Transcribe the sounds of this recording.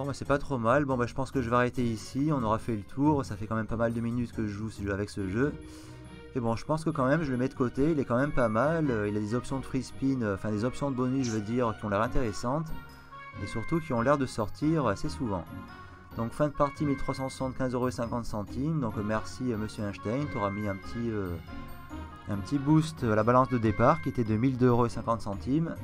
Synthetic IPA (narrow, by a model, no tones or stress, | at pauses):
bɔ̃basɛpat̪χomalbɔ̃baʒəpɑ̃skəʒəveaʁet̪eisiɔ̃nɔʁafɛlət̪ʰuʁsafɛkɑ̃mɛmpamald̪əminyt̪kəʒəʒusəʒøavɛksəʒø | mebɔ̃ʒəpɑ̃skəkɑ̃mɛmʒələmɛd̪əkot̪eilɛkɑ̃mɛmpamaløilad̪ezɔpsjɔ̃d̪əfispinøɑ̃fɛ̃d̪ezɔpsjɔ̃d̪əbɔnyʒəvəd̪iʁkʲiɔ̃lɛʁɛ̃t̪eʁesɑ̃t̪ | esyʁt̪ukʲiɔ̃lɛʁd̪əsɔʁt̪ʰiʁasesuvɑ̰̃ | d̪ɔ̃kfɛ̃d̪əpaʁt̪imilt̪χwasɑ̃swḁsɑ̃t̪kʲɛ̃zøʁoesɛ̃kɑ̃t̪sɑ̃t̪imd̪ɔ̃kmɛʁsiøməsjøɛ̃ʃt̪ajnt̪ɔʁamiɛ̃pə̥t̪ʰiø | ɛ̃pət̪ibust̪alabalɑ̃sd̪əd̪epaʁkʲiet̪ɛd̪əmild̪øʁoesɛ̃kɑ̃t̪sɑ̃t̪im